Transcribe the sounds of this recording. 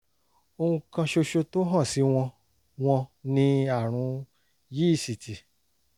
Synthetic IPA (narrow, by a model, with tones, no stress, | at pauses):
o˧hũ˧kã˧ʃo˧ʃo˧to˦ɦɔ̃˦˨si˨˦w̃ɔ̃˧ | w̃ɔ̃˧nĩ˧a˦˨ɾ̃ũ˨˦ | ji˦˨si˨ti˨